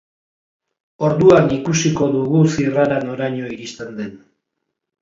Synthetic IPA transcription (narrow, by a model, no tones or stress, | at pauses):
o̞ɾðuanikusiko̞ðuɣusiraɾano̞ɾaɲo̞iɾist̪e̞nd̪e̞n